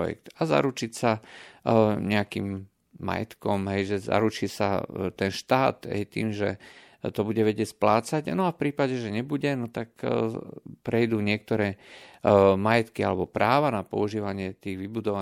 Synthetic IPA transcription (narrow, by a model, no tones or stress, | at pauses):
jɛ̰kt̪aza̰ɾut͡ʃicsa | ɲɛakḭːmː | a̰jɛ̰t̪kɔmɦɛjʒɛza̰ɾut͡ʃiːsa̰t̪ɛnʃt̪aːt̪ɦɛ̰jt̪ḭːmʒɛ̰ | t̪ɔbuɟɛʋɛɟɪɛcʲsplaːt͡saɟnɔafpɾiːpaɟɛʒɛɲɛbuɟɛnɔt̪ak | pɾɛjd̪uːɲɪɛk̚t̪ɔɾɛː | majɛt̪kia̰lɛbɔpɾaːʋanapɔ̰uʒiːʋaɲɪɛt̪iːɣʋibud̪ɔʋa